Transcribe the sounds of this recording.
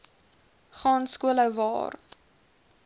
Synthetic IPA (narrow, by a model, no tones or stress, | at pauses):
χɑːnskuələwvɑ̰ːr